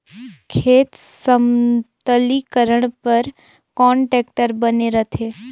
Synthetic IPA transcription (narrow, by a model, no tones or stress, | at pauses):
kʰeːt̪səmt̪əlikəɾəɳ̃pəɾ | kɔ̃ːɳʈɛːk̚ʈəɾbəneɾət̪ʰeː